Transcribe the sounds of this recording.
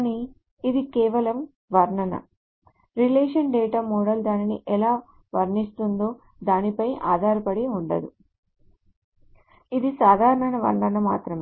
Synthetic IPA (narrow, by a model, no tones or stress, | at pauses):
ni | id̪ikɛːʋɐlɐm | ʋɐɾɳɐnɐ̰ | ɾileːʂɐnɖɛːʈaːmɔːɽɐld̪aːniniʔɛlaː | ʋɐɾɳist̪und̪o̞ː | d̪aːnipɐjʔaːd̪ʱaːɾɐpɐɽiuɳɖɐ̰d̪ṵ | id̪isaːd̪ʱaːɾɐɾɐnɐʋɐ̰ɾɳɐnɐma̰ːt̪ɾɐme